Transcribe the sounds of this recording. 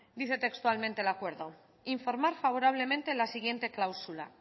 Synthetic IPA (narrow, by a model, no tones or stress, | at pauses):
d̪iθe̞t̪e̞kst̪ualmẽnt̪e̞lakwe̞ɾðo | iɱfo̞ɾmaɾfaβ̞o̞ɾaβ̞le̞mẽnt̪e̞lasiɣ̞je̞nt̪e̞klawsula̰